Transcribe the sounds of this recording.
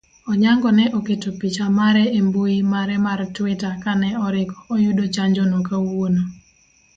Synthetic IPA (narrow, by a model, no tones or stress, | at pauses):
ɔɲaŋɡɔnɛʔoketopit͡ʃamaɾɛembuimaɾɛmartwɪtakanɛɔɾɪkɔ̥ːjʊdot͡ʃaɲd͡ʒonokawono